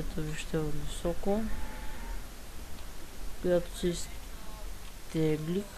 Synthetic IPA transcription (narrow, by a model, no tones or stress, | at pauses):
ɛt̪oviʃt̪ɛod̪visɔko | kojat̪o̥sis | t̪ɛɡlik